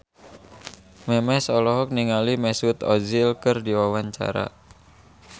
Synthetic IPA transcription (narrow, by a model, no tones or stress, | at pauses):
mɛmɛsɔlɔɦɔk̚niŋalimɛsut̪ɔzilkɨrdiwawaɲt͡ʃa̰ɾa̰